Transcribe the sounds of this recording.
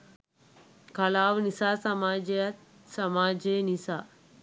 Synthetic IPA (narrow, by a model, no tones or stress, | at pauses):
kɐlaːʋnisasəmaːd͡ʑjat̪̚ | səmaːd͡ʑenisa